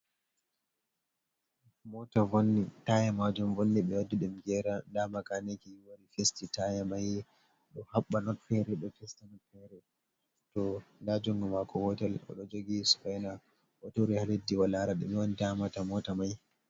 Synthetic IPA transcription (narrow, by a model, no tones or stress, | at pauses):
mɔtavonːitajamad͡ʒumvonːiɓɛwadːuɗumɡɛɾandamakanekiwaɾifestitajamaj | ɗɔhaɓːanɔtfɛɾɛɗɔfɛstanɔtfɛɾɛ | tɔndad͡ʒɔŋɡɔmakʰɔhɔtɛlɔ̰ɗɔd͡ʒoɡisu̥fajna | ʔɔtoɾihaledːiwalaɾaɗɛmiwɔnitamatamɔtamaj